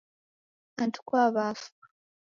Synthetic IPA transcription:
βantʰu̥kwaːβaːfu̥

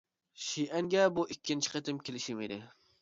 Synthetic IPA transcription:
ʃiʔɛŋɡʲɛbuʔikʲːint͡ʃʰi̥qʰət̪ɪmkʲʰelɪʃɪmɪd̪ɪ

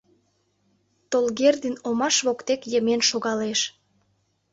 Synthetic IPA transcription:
t̪olɣerd̪inomɑʃβokt̪ekjəmenʃoɣɑleʃ

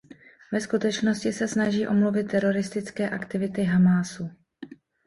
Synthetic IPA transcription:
vɛskut̪ɛt͡ʃno̞scɪsɛsnaʒiːʔo̞mlovɪt̪ːɛɾo̞ɾɪst̪ɪt͡skɛːʔakt̪ɪvɪt̪ɪɦamaːsu

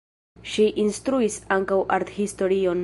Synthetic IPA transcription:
ʃiʔinstɾuisaŋkawʔaɾthisto̞ɾio̞n

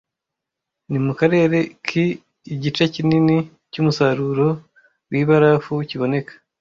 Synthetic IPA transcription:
nimukaɾe̞ːɾe̞kʰiː | ɟit͡ʃecinini | cumusaɾuːɾo̞ | wiβaɾafuciβo̞ne̞kḁ

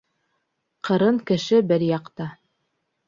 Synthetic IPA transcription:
qɤ̆ɾɤɴkɘ̆ʃɘbɘɾjɑqt̪ɑ

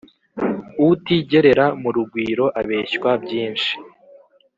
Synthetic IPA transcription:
uwutiːɟe̞ɾe̞ɾamuɾuɡwiːɾo̞ʔaβe̞ːɕkwabɟiːnʃi̥

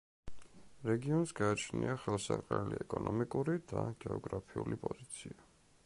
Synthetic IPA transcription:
ɾɛɡiɔnsɡaːt͡ʃʰniaχɛlˠsaɾqʼɛliɛkʼɔnɔmikʼuɾid̪aɡ̥ɛɔɡɾapʰiulipʼɔzit̪sʰia

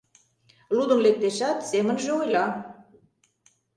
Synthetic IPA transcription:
lud̪ə̆mlek̚t̪eʃæt̪semə̆nʒeojlɑ

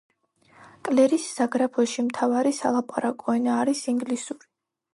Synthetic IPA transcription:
kʼlɛɾisz̥aɡɾapʰɔʃimt̪ʰavaɾisa̰lˠapʼaɾakʼɔɛnaːɾisiŋɡlisuɾi

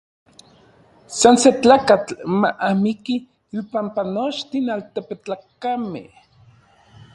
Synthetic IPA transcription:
sanset͡ɬaːkat͡ɬmaʔamikiː | pampanot͡ʃt̪inalt̪epet͡ɬakamḛh

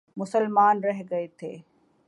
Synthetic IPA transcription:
mʊsəlmaːnɾɐɦɡɐet̪ʰḛː

